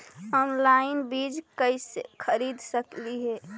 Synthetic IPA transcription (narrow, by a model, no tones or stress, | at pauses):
ɔnlaɪnbid͡ʒkəisḛkʰəɾid̪ʱsəkliɦɛ